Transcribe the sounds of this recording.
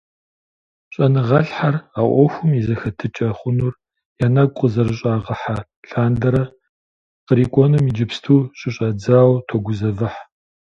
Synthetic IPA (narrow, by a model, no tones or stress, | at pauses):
ɕʼɐnɨʁɐɬħaraːʔʷɔxʷʊmizɐxɐtʰɨt͡ʃʼɐχʷʊnuːr | jaːnɐɡʷqʼəzɐrɨɕʼaːʁɐħa | ɬaːndɐɾɐ | qəɾiːkʷʼɔnɨmid͡ʒɪpstʰuːɕʼɪɕʼɐd͡zaːwtʰoɡʷʊzɐvɐħ